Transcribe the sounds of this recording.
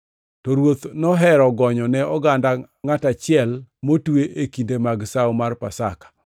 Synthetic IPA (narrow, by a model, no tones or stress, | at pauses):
tɔɾwot̪nɔɦɛɾɔɡɔɲɔnɛɔɡanda | ŋatat͡ʃɪɛlmotweʔekindemaɡsawmarpasa̰kḁ